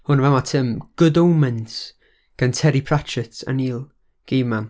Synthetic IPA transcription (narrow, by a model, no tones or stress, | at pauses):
hʊnəvamatʰəmɡ̥ʊdowmɛns | ɡ̥antʰɛɾipʰrat͡ʃʰɪtə̰niːlˠ | ɡ̥eːman